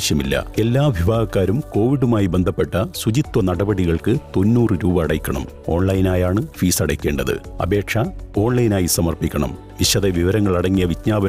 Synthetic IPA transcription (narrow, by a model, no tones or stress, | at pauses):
ɕjɐmilːɐ̰e̞lːaːʋiʋaːɡɐkːaːɾumko̞ːʋiɽumaːjibe̞nd̪ʱɐpːe̞ʈːɐsud͡ʑit̪wɐnɐɽɐbɐɽiɣɐɭkɨt̪o̞nːuːrɨɾuːbɐːɽɐjkʲːɐɳɐ̰m | o̞̰ːɳlɐjinaːjaːɳɨfiːsɐɽɐkʲːe̞ːɳɖɐðɨ̰ɐ̰be̞ːkʂɐo̞ːɳlɐjnaːjisɐmɐrpikʲːɐɳɐ̰m | ʋiɕɐðeʋiʋɐɾɐŋːɐɭɐɽɐŋːijɐʋitɲaːbɐ